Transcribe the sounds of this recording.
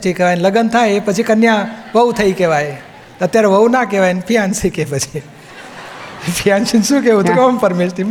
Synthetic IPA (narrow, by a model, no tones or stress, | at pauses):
t͡ʃejkeʋajnləɡənt̪ʰajepət͡ʃʰikənjãʋəut̪ʰəikeʋaj̪ | ət̪jaɾeʋəunakeʋajnpʰijãnsikepət͡ʃʰi | pʰijanʃinʃũkeʋũt̪ukompəɾmeʃt̪im